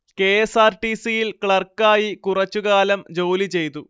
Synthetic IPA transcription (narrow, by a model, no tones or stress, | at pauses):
ke̞esaːrʈisijilkɭɐrkaːjikurɐt͡ɕːuɣaːlɐmd͡ʑo̞ːlit͡ɕe̞jt̪u